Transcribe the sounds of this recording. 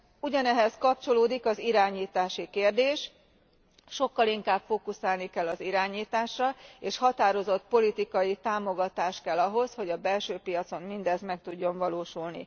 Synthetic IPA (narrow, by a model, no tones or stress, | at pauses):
uɟɒnɛɦɛskɒp̚t͡ʃo̞loːd̪ikɒziɾaːɲiːt̪aːʃikeːrd̪eːʃ | ʃo̞kːɒliŋkaːbfoːkusaːlnikɛlːɒziɾaːɲiːt̪aːʃrɒeːʃhɒt̪aːɾo̞zo̞t̪̚po̞lit̪ikɒjit̪aːmo̞ɡɒt̪aːʃkɛlːɒɦo̞sho̞ɟɒbɛlʃøːpijɒt̪so̞mmind̪ɛzmɛk̚t̪uɟːo̞ɱvɒloːʃulnḭ